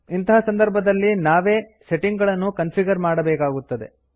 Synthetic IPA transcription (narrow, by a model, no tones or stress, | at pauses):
int̪ɐɦɐsɐnd̪ɐɾbʱɐd̪ɐlːinaːʋe̞ːse̞ʈiŋɡɐɭɐnːukɐnpiɡɐɾmaːɽɐbɛːkaːɡut̪ːɐd̪e̞̰